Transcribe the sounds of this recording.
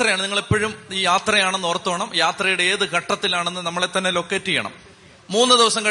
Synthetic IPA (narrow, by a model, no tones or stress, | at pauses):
t̪rɐjaːɳɨniŋːɐɭipːoːɻumiːjaːt̪rɐjaːɳenːort̪ːoːɳɐmjaːt̪rɐjuɽeeːðɨɡʱɐʈːɐt̪ːilaːɳenːɨnɐmːɐɭet̪ːɐnːelo̞kːetːijːɐ̰ɳɐ̰m | muːnːɨd̪iʋɐsɐŋkɐ